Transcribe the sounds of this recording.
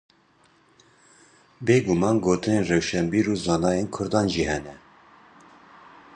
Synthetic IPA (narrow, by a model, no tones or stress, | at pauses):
beːɡʊmɑːnɡoːt̪ɨneːnrɛwʃɛmbiːɾuːzɑːnɑːjenkʰʊɾd̪ɑːnʒiːhɛnɛ